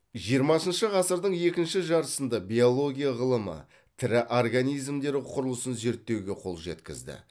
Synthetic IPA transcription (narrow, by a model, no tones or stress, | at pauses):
ʒijəɾmɑsənʃəʁɑsəɾd̪əɴje̞kʲɪnʃɪʒɑɾəsənd̪ɑbʲio̞lˠo̞ɡʲijaʁəlˠəmə̰ | t̪ʰɪɾɪʔorɡanijzmd̪e̞ɾɪqʰʊɾəlˠəsənze̞ɾt̪ːe̞wɡʲe̞qʰo̞̰lˠʒet̪kʲɪ̰zd̪ɪ̰